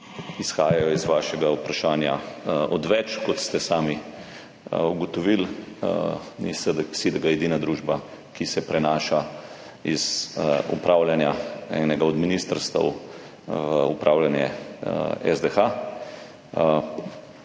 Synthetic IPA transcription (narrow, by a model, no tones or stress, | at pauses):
isxaːjajɔizʋaːʃɛɡaupɾaʃaːnjaɔd̪ʋɛt͡ʃkɔt̪st̪ɛsaːmi | uɡɔt̪ɔʋil | nisəd̪sid̪ɛɡajɛd̪iːnad̪ɾuːʒba | kisɛpɾɛnaːʃa | iz̥ṵpɾaːwljanjaɛ̰ːnɛɡaɔd̪minist̪əɾst̪ə̰w | vəupɾʔaːwljanjɛ | ɛ̰zd̪ɛxa